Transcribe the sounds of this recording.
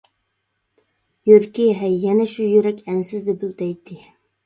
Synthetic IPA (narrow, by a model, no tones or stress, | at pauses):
jøɾkʲiɦɛjːɛnɛʃujøɾɛkʲænsɪzd̪ɪbylˠt̪ɛjt̪ʰːɪ